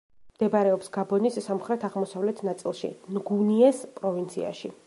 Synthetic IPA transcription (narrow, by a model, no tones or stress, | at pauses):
md̪̥ɛbaɾɛɔpsɡabɔnisːamχɾɛt̪ʰaʁmɔsavlɛt̪ʰnat̪sʼilˠʃḭnɡuniɛspʼɾɔvint̪sʰḭa̰ʃḭ